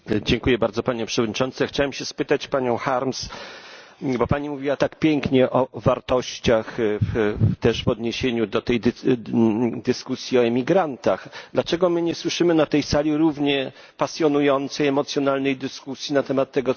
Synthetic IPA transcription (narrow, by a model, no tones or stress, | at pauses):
d͡ʑɛŋkujɛbaɾd̪zɔpaɲɛpʂɛvɔd̪̚ɲit͡ʂɔnt̪sɛxt͡ɕawɛmɕɛspɘt̪at͡ɕpaɲɔ̃w̃xaɾms | bɔpaɲimuvʲiwat̪akpʲjɛŋkɲɛʔɔvaɾt̪ɔɕt͡ɕax | t̪ɛʂvɔd̪ɲeɕeɲud̪ɔt̪ɛjd̪ | d̪ɘskusʲjiɔɛmʲiɡɾant̪axd̪lat͡ʂɛɡɔmɘɲɛswɘʂɘmɘnat̪ɛjsalʲiɾuvɲɛ | pasʲjɔnujɔnt̪sɛjɛmɔt̪sʲjɔnalnɛjd̪ɘskusʲjinat̪ɛmat̪ːɛɡɔ